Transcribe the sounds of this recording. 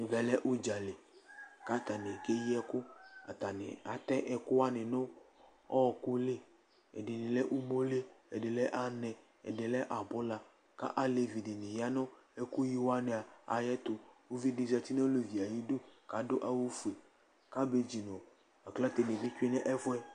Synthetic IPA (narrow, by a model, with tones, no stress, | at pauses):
vɛ˨lɛ˦ʔu˦d͡ʒa˨le˨ka˦t̪a˨ne˨ke˦ji˦ɛ˦kʊ˦a̰˨t̪a˨nɪ̰˨a˨t̪ɛ˦ʔɛ˨kʊ˦wa˦nɪ˨nʊ˦ | ɔ˦˨kʊ˦le˦ | ɛ̰˨dɪ˨nɪ̃˨lɛ˦ʔu˦mo˦le˦ɛ˨de˨lɛ˦ʔa˦nɛ˨ | ɛ̰˨de˨lɛ˦ʔa˨bʊ˦la˨ | ka̰˦ʔa˦le˨vi˨dɪ˨nɪ˨ja˦nɔ̃˦ɛ˦kʊ˦ji˦wa˦ne˨a˨a̰˨jɛ˦t̪ʊ˨wo˦vi˦de˨vi˨a˨t̪i˦nɛ˦o˦le˨vi˨a˨ji˦do˦ka˨˦dʊ˦ʔa˨wu˦fu˨e˨ | ka˦be˨d͡ʒi˨nɔ̃˨ | a˨kla˦t̪e˨ne˨bi˦t͡ʃᶣi˦nɛ˦ʔɛ˦vʊ˦ɛ˦